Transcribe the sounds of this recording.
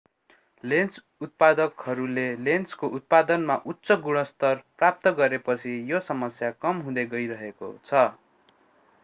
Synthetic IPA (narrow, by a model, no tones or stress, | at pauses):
lens | ut̪̚pad̪ʌkhʌɾulelenskoʔut̪̚pad̪ʌnmaʔutːsʌɡuɽ̃ʌst̪ʌrprap̚t̪ʌɡʌɾepʌt͡sʰijosʌmʌsjakʌmɦũd̪eɡʌjɾʌɦeko̰t͡sʰʌ